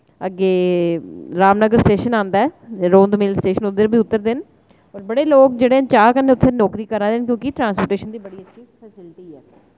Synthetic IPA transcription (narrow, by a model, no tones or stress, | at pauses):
əɡeː | ɾaːmnəɡəɾsʈeːʃənãːnd̪aːɛːɾoːnd̪mɪːlsʈeːʃənʊd̪əɾbʱiːʊt̪ːəɾd̪ɪn | oːɾbəɽeːloːk̚d͡ʒeːɽeːt͡ʃaːkənːeːʊt̪ʰːənɔːkɾiːkəɾnaːd̪ɪnkjõːkɪʈɾãːnspoːɾʈeːʃənd̪iːbəɽiːətːʃʰiːpʰɛːsɪlʈiːɛː